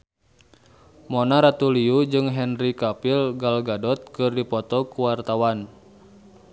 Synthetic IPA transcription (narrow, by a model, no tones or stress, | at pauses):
mɔnaɾat̪uliud͡ʒɨŋɦɛnrikapilɡalɡadɔt̪̚kɨrdipɔt̪ɔkuwart̪awan